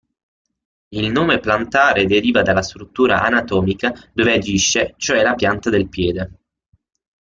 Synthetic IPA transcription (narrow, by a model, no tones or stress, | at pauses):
ilnoːmeplant̪aːɾed̪eɾiːvad̪alːast̪ɾut̪ːuːɾa̰ʔanat̪ɔːmikad̪oːvead͡ʒiʃːet͡ʃoɛlapjant̪ad̪elpjɛːd̪e